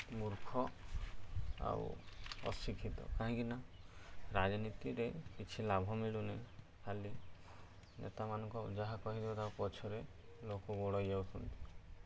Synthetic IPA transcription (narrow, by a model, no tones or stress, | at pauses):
muɾkʰɔ | a̰ṵɔ̰sikʰit̪ɔ̰kaɦɔ̃ŋkina | ɾad͡ʒɔnit̪iɾekit͡ʃʰilabʱɔmiɭune | kʰali | nḛt̪amanɔŋkɔd͡ʒaɦakɔɦid̪ebɔt̪awpɔt͡ʃʰɔɾe | lokɔɡoɽɔjawsʰɔnt̪i̥